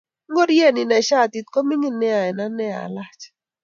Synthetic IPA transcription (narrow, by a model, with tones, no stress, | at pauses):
ŋɡo˦dje˦˨nɪ˨nɛ˨ʃa˦˨t̪i˨t̪̚ko˦mi˦ŋi˦nɛ˦a˨ɛ˨na˦nɛ˦a̰˨la˦t͡ʃ